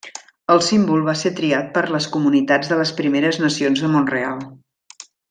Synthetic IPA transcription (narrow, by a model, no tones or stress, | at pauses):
əlˠsimbulˠβaset̪ɾiat̪̚pəɾləskumunit̪ad͡zðələspɾimeɾəznəsionzðəmonrealˠ